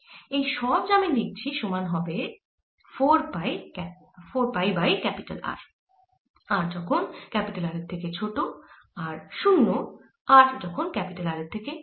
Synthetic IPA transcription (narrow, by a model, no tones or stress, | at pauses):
ejʃɔbd͡ʑamindik̚t͡ɕʰiʃomanɦɔbe | foɾpaj | foɾpajbajkɛpiʈa̰la̰ɾ | aɾd͡ʑɔkʰonkɛpiʈalaɾet̪ʰeket͡ɕʰoʈo | aɾʃunːo | aɾd͡ʑɔkʰonkɛpiʈalaɾeɾt̪ʰeke